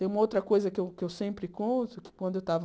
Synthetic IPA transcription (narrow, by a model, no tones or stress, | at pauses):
ẽj̃ũmɐowt̪ɾɐkojzɐkɪewkɪewsẽmpɾɪkõnt̪ʊkɪ̥kwɐ̃nd̪ʊewt̪avɐ